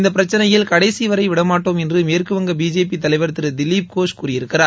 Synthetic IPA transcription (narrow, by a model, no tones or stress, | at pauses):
ɪnd̪ɐpɪɾɐt͡ʃːɐnɐjɪlkɐɽɐɪsiʋɐɾɐɪʋɪɽɐmaːʈːoːmɛndrɯmeːrkɯʋɐŋɡɐbiːd͡ʒeːp̬it̪ɐlɐɪʋɐɾt̪ːɯɾɯd̪ɪlːiːp̚koːʂkuːrɪjɪɾɯkːɪraː